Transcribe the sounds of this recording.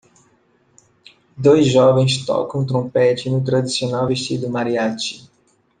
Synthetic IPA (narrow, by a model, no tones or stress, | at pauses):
d̪ojzʒɔvẽj̃st̪ɔ̰kɐ̃w̃t̪ɾõpɛt͡ʃɪnʊt̪ɾad̪isionawveʃt͡ʃid̪ʊmaɾiat͡ʃɪ̥